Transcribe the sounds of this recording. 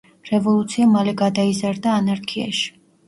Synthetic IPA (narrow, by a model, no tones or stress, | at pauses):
ɾɛvɔlˠut̪sʰiamalɛɡad̪aizaɾd̪aːnaɾkʰia̰ʃi̥